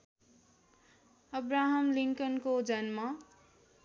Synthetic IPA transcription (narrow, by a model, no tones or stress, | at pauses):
ʌbraɦʌmliŋkʌnkod͡zʌnmʌ